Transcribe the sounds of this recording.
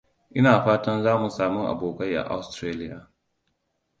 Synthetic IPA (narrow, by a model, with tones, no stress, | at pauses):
ʔɪ˦naː˨ɸaː˦tɐ˦nzaː˦mu˨saː˨mʊ˦ʔa̰˨boː˨ka˦jʔa̰˨ʔa˦stɾeː˦lɪ˦jaː˨